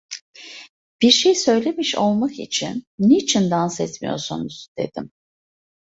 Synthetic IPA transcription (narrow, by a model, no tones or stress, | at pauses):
b̥iɾʃejsø̞jlʲe̞miʃo̞lˠmakḭt͡ʃʰinːit͡ʃʰind̪ansɛt̪mijo̞̰ɾsunuz̥d̪̥e̞̰d̪̥ḭm